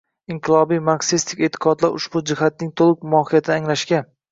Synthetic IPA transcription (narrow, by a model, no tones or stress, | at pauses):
ɪɴqʰɨlˠɒbijmaksist̪ʰɪkʲe̞t̪ʰɪ̥qʰɒd̪laɾʊ̰ʃbʊd͡ʒɪhat̪̚nɪŋt̪ʰolˠɪkmʊɒhijat̪ʰɪːŋlaʃkʲa